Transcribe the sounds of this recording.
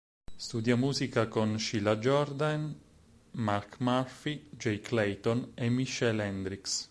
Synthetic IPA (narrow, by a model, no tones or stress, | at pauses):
st̪ud̪jamuːzikakonʃilad͡ʒɔrd̪an | markmarfid͡ʒejklɛjt̪ɔnemːiʃːɛlɛnd̪ɾiks